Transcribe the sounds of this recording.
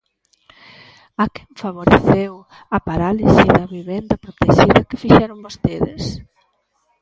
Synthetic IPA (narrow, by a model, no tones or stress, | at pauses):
akɛɱfaβoɾeθew | ɐpaɾalisiðɐβiβɛnd̪ɐpɾot̪eʒiðɐkefiʃɛɾombost̪eðḛs